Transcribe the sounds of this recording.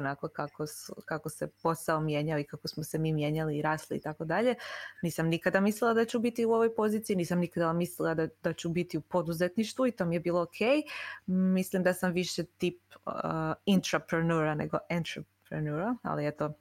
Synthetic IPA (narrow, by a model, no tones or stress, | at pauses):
onakokakoskako̞se̞po̞saomje̞ːɲaoikako̞smose̞miːmje̞ːɲaliːɾaːslḭːt̪ako̞d̪aʎe̞niːsamnikad̪amislilˠad̪at͡ɕubit̪iuo̞ʋo̞jpo̞ziːt̪siniːsamnikad̪amislilˠad̪ad̪at͡ɕubit̪iupo̞d̪uze̞t̪niʃt̪ʋuit̪o̞mijebiːlˠo̞okʰe̞ːjmislimd̪asamʋiʃet̪ip | int̪ɾapɾenuɾanḛɡo̞ʔent̪ɾopɾḛnuɾaa̰liet̪o̞